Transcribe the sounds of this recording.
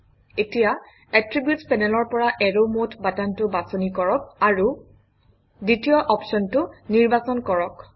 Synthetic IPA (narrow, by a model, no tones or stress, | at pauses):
etija | ɛtɹibjutpɛnɛlɔɹpɔɹaʔɛɹomotʰbatantʊbasɔnikɔɹɔk̚aɹu | ditijɔʔɔpsɔntʊniɹbasɔnkɔɹɔk